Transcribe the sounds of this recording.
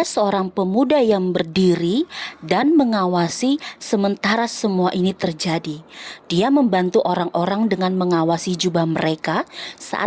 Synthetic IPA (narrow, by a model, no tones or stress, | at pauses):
asəoɾaŋpəmudajaŋbərdiɾidanməŋawasisəmənt̪aɾasəmuaʔinit̪ərd͡ʒadid̥iaməmbant̪uʔoɾaŋʔoɾaŋdəŋanməŋawasid͡ʒubahməɾekasa̰ʔa̰